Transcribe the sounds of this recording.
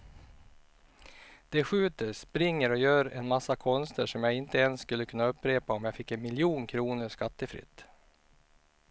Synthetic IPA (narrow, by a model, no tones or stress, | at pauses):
d̪̥ɛɧʉ̟ːt̪əspɾɪŋːəɾɔjøːɾɛ̰nmasːakʰɔnst̪ʰəʂɔmjaːɡɪnt̪əɛnsːkɵlːəkʰɵnːaɵpːɾeːpaɔmjaːɡfɪkːɛnmɪljuːnkʰɾuːnəʂkat̪ːəfɾɪ̰t̪ː